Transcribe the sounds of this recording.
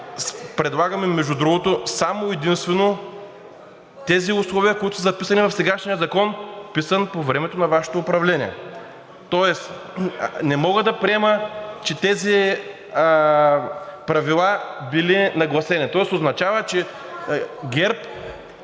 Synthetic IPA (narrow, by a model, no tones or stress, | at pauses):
pɾɛd̪lˠaɡɐmɛmːɛʒud̪ɾuɡot̪osamoɛd̪inst̪vɛno | t̪ɛziʊslˠɔviəkoit̪ʊ̥səzɐpisɐnivɐfsɛɡaʃnijəzɐkɔnpisənpovɾɛmɛt̪onɐvaʃɛ̥t̪oːpɾɐvlɛniɛ̰ | t̪ɔɛs | nɛmɔɡəd̪ɐpɾiɛmət͡ʃɛt̪ɛzi | pɾɐvilˠabilinɐɡlˠɐsɛnit̪ɔɛsoznɐt͡ʃavət͡ʃɛ | ɡʲɛɾp